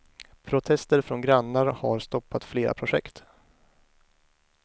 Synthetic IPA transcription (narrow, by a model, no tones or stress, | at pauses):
pʰɾʊt̪ʰɛst̪əɾfɾɔnɡɾanːaɾhaɾst̪ɔpːat̪fleːɾʔa̰pʰɾʊɧɛ̰kt̪